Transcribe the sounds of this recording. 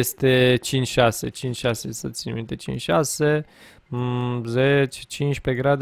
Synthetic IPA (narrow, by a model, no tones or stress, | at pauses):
est̪e̞t͡ʃint͡ʃʲʃase̞̰t͡ʃint͡ʃʲʃasesət̪sʲinmint̪e̞t͡ʃḭnt͡ʃʲʃase̞ | zet͡ʃe̥t͡ʃint͡ʃʲpe̞ɡɾad̪